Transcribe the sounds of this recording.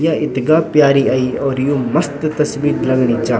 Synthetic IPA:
jaːɪt̪ɡaːpjaːɾiaːiɔːɾjũːmɐst̪t̪ɐsbiːɾlɐɡɽiːt͡ʃaː

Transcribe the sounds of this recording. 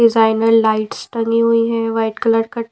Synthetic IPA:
ɪzaːɪnəɾlaːɪʈsʈɐ̃ŋɡiɦuiɦɛ̃ʋaːɪʈkələɾɽkɐʈ

